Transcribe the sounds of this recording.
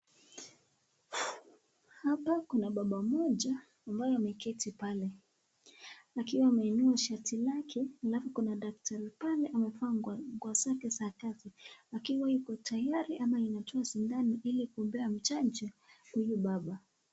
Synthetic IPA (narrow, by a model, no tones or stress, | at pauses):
hapakunaɓaɓamɔʄaː | mbajɔamɛkɛtipalɛ | akiwaːmɛːnuaʃatilakʰɛalafɔkunaɗak̚tʰaɾipalɛʔamɛfaŋɡwasakɛsaːkatiakiwaikɔtʰajaɾiʔamainatʰɔasindaniʔilikuɔmbɛam̩t͡ʃad͡ʒɛhujuɓaɓa